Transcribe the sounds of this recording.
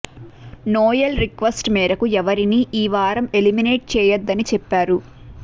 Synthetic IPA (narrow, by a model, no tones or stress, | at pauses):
noːjɐlɾikʋɐsʈmɛːɾɐkuɛʋɐɾiniʔiːʋaːɾɐme̞limine̞ːʈ̚t͡ʃɛːjɐd̪ːɐnit͡ʃɛpːaːɾu